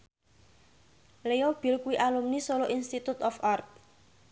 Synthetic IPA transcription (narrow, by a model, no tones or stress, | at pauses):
lejɔb̥i̤lkuwiʔalumnisoloʔinst̪it̪ut̪ɔfart̪̚